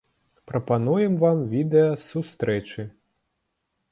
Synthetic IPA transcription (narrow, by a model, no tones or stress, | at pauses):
pɾɐpanujɛmvamvʲid̪ɛjɐsust̪ɾɛt͡ʂɨ